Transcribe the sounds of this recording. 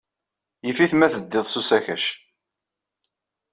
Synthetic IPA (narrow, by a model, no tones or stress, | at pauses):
jəfiθmæθəd̪ːɪðˤsusæçæʃ